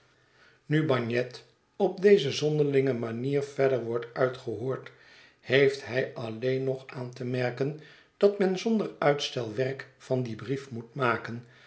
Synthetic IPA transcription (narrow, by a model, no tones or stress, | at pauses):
nybɑɲɛt | ɔb̚dejzəzɔndəɹlɪŋəmaniːɹvɛɹdəɹʋɔɹtœɥtχəɦoːɹt | hejftɦɛjʔɑlejnɔχaːntəmɛɹkən | d̥ɑtmɛnzɔndəɹœɥtstɛlˠʋɛɹkfɑndibrifmutmaːkən